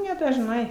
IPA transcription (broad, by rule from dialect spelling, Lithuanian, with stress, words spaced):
nʲɛdɐʒˈnɐɪ